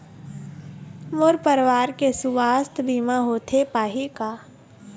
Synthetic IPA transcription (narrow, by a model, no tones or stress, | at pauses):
moɾpəɾʋaːɾkesuʋaːst̪ʰbʱiːmaɦoːt̪ʰepaːɦikaː